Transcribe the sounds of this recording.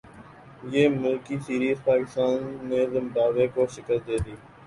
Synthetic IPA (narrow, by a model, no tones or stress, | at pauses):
jeːmʊlkiːsiːɾiːzpaːkɪst̪aːnːeːzɪmd̪aːʋeːkoːʃɪkəɾd̪eːd̪iː